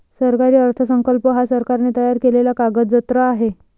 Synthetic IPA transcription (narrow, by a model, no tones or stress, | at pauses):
səɾkaɾiːəɾt̪ʰəsəŋkəlpəɦasəɾkaɾnet̪əjaɾkelelakaɡəd͡zət̪ɾəaɦe